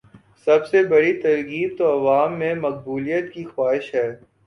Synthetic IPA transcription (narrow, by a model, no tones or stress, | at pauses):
sɐbsebɐɽit̪ɐɾɡiːb̚t̪oɐʋaːmːẽmɐq̚buːlijət̪kixwaːɦɪʃɦɛː